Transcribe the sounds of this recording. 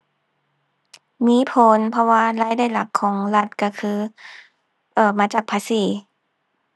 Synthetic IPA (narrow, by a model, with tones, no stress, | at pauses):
miː˧˥˨pʰo˨˦npʰɔ˧waː˧laː˧˥˨jdaː˧˥˩jla˨˩kʰːɔː˨˦ŋla˧˩t̪̚ka˧˩kʰɯː˧˩ | ʔɤː˧˩maː˨˦t͡ɕaː˨˩k̚pʰaː˧˥siː˨˦